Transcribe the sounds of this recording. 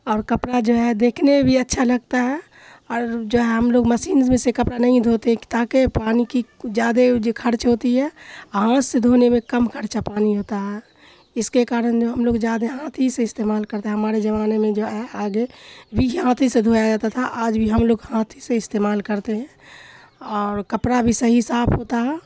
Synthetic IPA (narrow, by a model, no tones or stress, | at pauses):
ɔːɾkəpɽad͡ʒoɦɛd̪eːkʰnemẽbʱiɐtːʃʰalɐɡ̚t̪aɦɛ | ɔːɾd͡ʒoːɦɛɦəmloːɡməʃiːnsmẽsekɐpɾanɐɦĩd̪ʱoːt̪et̪aːkepaːnikid͡ʒjaːd̪ekʰəɾt͡ʃɦoːt̪iɦɛɦãːsːed̪ʱoːnemẽkəmkʰəɾt͡ʃapaːniɦoːt̪aɦɛ | ɪskekaːɾənd͡ʒoɦəmloːɡd͡ʒjaːd̪eɦãːt̪ʰiseɪst̪eːmaːlkəɾt̪eɦɛɦɐmaːɾed͡ʒəʋaːnemẽd͡ʒoɦɛaːɡebʱiɦãːt̪ʰised̪ʱojad͡ʒaːt̪at̪ʰaʔaːd͡ʒbʱiɦəmloːɡhãːt̪ʰiseɪst̪eːmaːlkəɾt̪eɦɛ̃ | ɔːɾkəpɽabʱisəɦisaːpʰɦoːt̪aɦɛː